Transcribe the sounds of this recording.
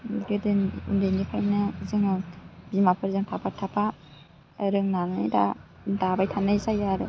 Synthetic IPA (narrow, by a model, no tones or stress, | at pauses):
ɡɯdɯnundɯjnipʰajnɯzɯŋɯbimapʰɯɾzɯŋtʰapʰaɾtʰːapʰa | ɾɯŋnaŋɯ̰jda̰ | dabajtʰanːɯjsajaɾɯ̰